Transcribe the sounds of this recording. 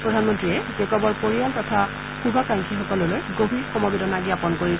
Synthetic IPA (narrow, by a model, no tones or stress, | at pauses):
pɹɔdʱanmɔntɹiɛzekɔbɔɹpoɹijaltɔtʰa | xubʱakaŋkʰixɔkɔlɔlojɡobʱiɹxɔmɔbedɔnaɡiapɔnkoɹi